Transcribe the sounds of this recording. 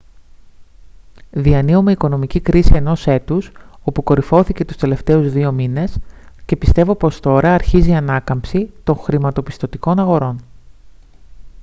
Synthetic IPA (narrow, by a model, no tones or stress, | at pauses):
ðiɐniume̞iko̞no̞micikɾisie̞no̞se̞t̪uso̞puko̞ɾifo̞θice̞t̪u̥st̪e̞le̞ft̪e̞uzðio̞mine̞sce̞pist̪e̞vo̞po̞st̪o̞ɾɐːɾçiziɐnɐkɐmpsit̪o̞ŋxɾimɐt̪o̞pi̥st̪o̞t̪iko̞nɐɣo̞ɾo̞n